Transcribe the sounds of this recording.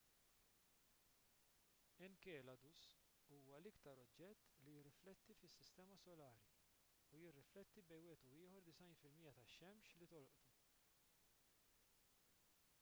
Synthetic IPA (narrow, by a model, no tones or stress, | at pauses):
ɛnkɛːlɐd̪us | uːwɐlɪkt̪ɐɾɔd͡ʒːɛt̪ːlijɪrːɪflɛt̪ːifɪsːɪst̪ɛːmɐsɔlɐːɾi | ujɪrːɪflɛt̪ːibɛjwɛːt̪uɪːhɔɾd̪ɪsɐjnfɪlmiːjːɐt̪ɐʃɛmʃlit̪ɔlʔt̪u